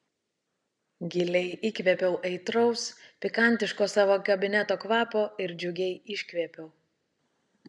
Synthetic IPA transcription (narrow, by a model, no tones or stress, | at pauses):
ɡʲɪlʲɛɪʔiːkʲʋʲɛpʲɛʊʔɛɪt̪ɾɔʊspʲɪkɐˑnʲt̪ʲɪʃkoːsɑːʋoːkɐbʲɪnʲɛt̪oːkʋɑːpoːɪɾd͡ʒʲʊɡʲɛɪɪʃʲkʲʋʲeːpʲɛʊ